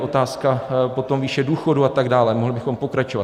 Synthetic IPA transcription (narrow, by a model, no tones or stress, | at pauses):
ʔo̞t̪aːskapo̞t̪o̞mviːʃɛduːxo̞duat̪aɡdaːlɛmoɦlɪbɪxo̞mpo̞kɾat͡ʃo̞va